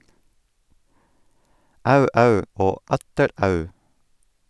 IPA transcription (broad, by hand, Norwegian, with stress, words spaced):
ˈɑʉ ˈɑʉ ˈoː ˈɑtəɾ ˈɑʉ